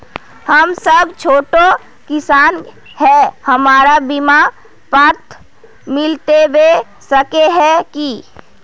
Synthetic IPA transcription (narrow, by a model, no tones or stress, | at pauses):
həmsəbʱt͡ʃʰoːʈo | kɪsaːn | ɦɛhəmaːɾabɪma | paːɾt̪ʰ | mɪlt̪ebe | səkeɦɛ̃ki